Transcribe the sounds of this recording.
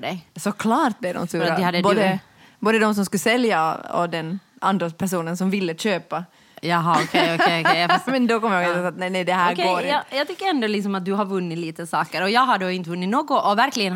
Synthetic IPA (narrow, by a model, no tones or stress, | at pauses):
ɖɛjsɔkʰlɑːɾt̪̚blɛvd̪ɔ̰mst̪ʉːɾɾahad̪ːəbːd̪ə | boːd̪əd̪ɔms̬ɔmskʉsɛlja̰ɔ̰d̪ɛn | and̪ɾapʰæʂuːnənsɔmvɪlːəɕøːpa | jɑɦɔkʰɔkekmɛnd̪ɔkɔmːəjhoɡɛssat̪nɛnɛd̪ɛɦæːɾkɡoːɾjɑjɑːt̪ʏkːəɾɛnd̪ɔlɪksɔmat̪̚d̪ʉɦaɾvʉnːɪt̪liːt̪əsɑːkəɾɔjɑːɡɦaɖoːɪnt̪əvʉnːɪt̪noːɡɔʔɔvæɾklɪɡən